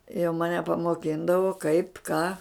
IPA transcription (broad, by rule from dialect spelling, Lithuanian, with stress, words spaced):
jɛʊ mɐˈnʲɛ pɐmoːˈkʲɪndɐʋoː kɐɪp kɑː